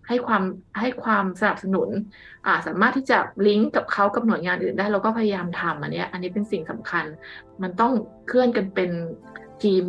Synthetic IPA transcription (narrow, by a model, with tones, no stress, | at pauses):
ha˥˩jkʰwaː˧mha˥˩jkʰwaː˧msa˧na˨˩p̚sa˧nu˨˩˦n | ʔaː˨˩saː˨˩˦maː˥˩t̪ʰːiː˥˩t͡ɕa̰˨˩li˦˥ŋka˨˩p̚kʰa˦˥wka˨˩p̚nu˩˦jŋaː˧nʔɯː˨˩ndaː˥˩jla˧wkɔː˥˩pʰa˧ja˧jaː˧mt̪ʰa˧mʔa̰˧nːi˦˥ɐʔa˧nːi˦˥pe˧nsi˨˩ŋsa˨˩˦mkʰa˧n | ma˧nt̪ɔ˥˩ŋ | kʰɯ˥˩ənka˧npe˧n | t̪ʰiː˧m